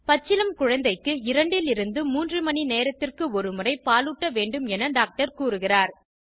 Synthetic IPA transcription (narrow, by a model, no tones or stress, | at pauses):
pɐt͡ʃːɪlɐmkʊɻɐnd̪ɐɪkːɯɪɾɐɳɖɪlɪɾɯnd̪ɯmuːndrɯmɐɳineːɾɐt̪ːɪrkɯɔɾɯmɯrɐɪpaːlɯʈːɐʋeːɳɖɯmɛnɐɖaːk̚ʈɐɾkuːɾɯɣɪraːɾ